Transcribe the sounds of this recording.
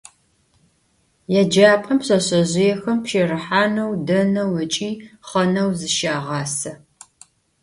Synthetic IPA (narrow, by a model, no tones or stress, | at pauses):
jaːd͡ʒaːpʼɐmɕɐɕɐʑɪjɛxɐmpʃeːrɨħaːnɐwdɐnɐwɐt͡ʃʼiːχɐnɐwzɨʃaːʁɑːsɐ